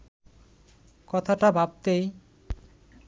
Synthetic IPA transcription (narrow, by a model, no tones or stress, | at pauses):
kɔt̪ʰaʈabʱab̚t̪ej